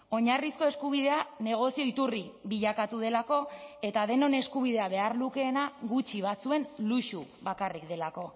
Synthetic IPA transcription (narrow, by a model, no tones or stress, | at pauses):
o̞ɲarisko̞e̞skuβ̞ið̞e̞ane̞ɣ̞o̞sio̞it̪uriβiʎakat̪uð̞e̞lako̞e̞t̪aðe̞no̞ne̞skuβ̞iðe̞aβe̞aɾluke̞ːnaɣut͡ʃiβ̞at͡sue̞nluʃuβakarikd̪e̞lako̞